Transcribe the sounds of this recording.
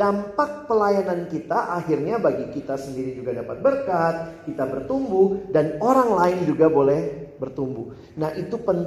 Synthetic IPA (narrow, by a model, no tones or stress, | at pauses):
ampak̚pəlajanankit̪aʔaɦirɲabaɡikit̪asəndiɾid͡ʒuɡadapat̪̚bərkat̪̚kit̪abərt̪umbudanoɾaŋlaɪnd͡ʒuɡabolɛhbərt̪umbu | nahʔit̪upən